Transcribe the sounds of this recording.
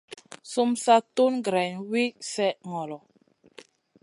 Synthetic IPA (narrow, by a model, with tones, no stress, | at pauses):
su˦msa˦tu˦nɡɾɛ˨nwi˦sɛ˦ʔŋɔ˨lɔ˨